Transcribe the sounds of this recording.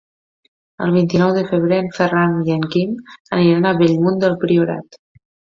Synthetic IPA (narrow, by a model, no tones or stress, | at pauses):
ə̰lˠβ̞int̪inɔwðəfəβɾeəɱfəranjəŋkiməniɾanəβɛʎmund̪əlˠpɾiuɾa̰t̪